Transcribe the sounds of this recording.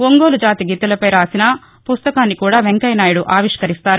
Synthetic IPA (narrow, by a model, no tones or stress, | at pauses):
oŋɡoːlud͡ʒaːt̪iɡit̪ːɐlɐpɐjɾaːsinɐ | pust̪ɐkaːnːikuːɽaːʋeŋkɐjnaːjuɽuʔaːʋiʂkɐɾist̪aːɾu